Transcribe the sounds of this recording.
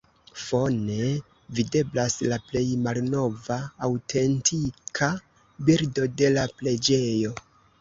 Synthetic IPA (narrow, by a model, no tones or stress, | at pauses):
fo̞ne̞ | vide̞blaslaple̞jmalno̞vaːwtʰe̞ntʰikʰa | biɾdo̞de̞laple̞d͡ʒe̞jo̞